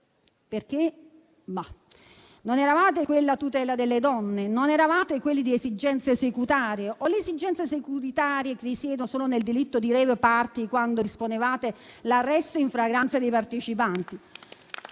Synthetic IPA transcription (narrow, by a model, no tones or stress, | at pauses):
perk̟e | ma | nonɛɾavaːt̪ekwelːat̪ut̪ɛːlad̪elːed̪ɔnːenonɛɾavaːt̪ekwelːid̪iezid͡ʒɛnt̪sesekut̪aːɾjeʔɔleesid͡ʒɛnt̪sesekuɾit̪aːɾjekerisjɛːd̪osoːnoneld̪ilit̪ːod̪iɾɛːvepart̪ikwand̪oisponevaːt̪elarːɛst̪oiɱfɾaɡɾant̪sad̪ejpart̪et͡ʃipant̪i